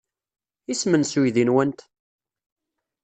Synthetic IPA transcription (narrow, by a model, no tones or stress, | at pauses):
ismənsujðinwənt̪